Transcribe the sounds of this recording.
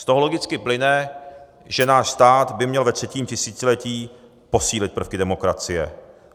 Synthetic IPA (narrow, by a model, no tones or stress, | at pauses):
st̪oɦolo̞ɡɪt͡skɪplɪnɛ | ʒɛnaːʃst̪aːd̪bɪmɲɛlvɛt̪r̝̥ɛciːmcɪsiːt͡sɪlɛciː | po̞siːlɪt̪̚pr̩fkɪdɛmo̞kɾat͡sɪjɛ̰